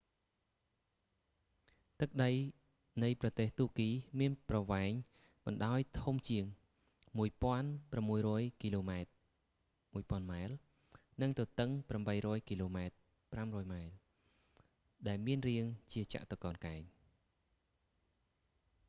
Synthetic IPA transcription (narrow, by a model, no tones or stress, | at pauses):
t̪ɨk̚ɗəj | nɨjprɑt̪eːht̪uəkiːmiənprɑʋaɛŋ | ɓɑnɗaɔjt̪ʰumt͡ɕiəŋ | muəjpŏənpramːuəjrɔːjkiːloːmaɛt̪̚ | muəjpŏənmaɛl | nɨŋt̪ɔt̪ɨŋpramɓəjrɔːjkiːloːmaɛt̪̚ | pramrɔːjmaɛl | ɗaɛlmiənriəŋt͡ɕiət͡ɕa̰ʔt̪okɑːnkaɛŋ